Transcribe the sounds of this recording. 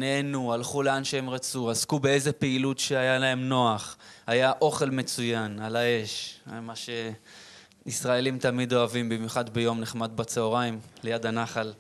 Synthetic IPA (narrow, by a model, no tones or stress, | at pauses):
neenualχuleanʃehe̞mʁat͡suazkubee̞zepeilutʃeajalae̞mno̞aχajaʔo̞χe̞lme̞t͡sujanalae̞ʃmaʃe̞ | isʁae̞limt̪amido̞avimbimjuχad̪bejo̞mneχmad̪bat͡seoʁaimlejad̪anaχal